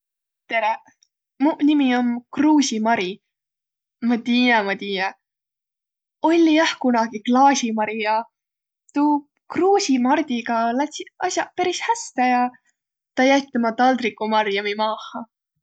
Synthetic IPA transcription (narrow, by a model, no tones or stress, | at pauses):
t̪e̞ɾe | munʲimiomkruːsimɑɾi | mɑt̪iːjɑmɑt̪iːjɑ | o̞lʲːijæhkunɑɡ̥iklɑːsimɑɾijɑ | t̪uː | kruːsimɑrd̪̥ʲiɡɑlæt̪siɑsʲjɑpæɾishæst̪ejɑ | t̪ɑjæt̪ːˑemɑt̪ɑld̪rikːˑumɑrjɑmimɑːhɑ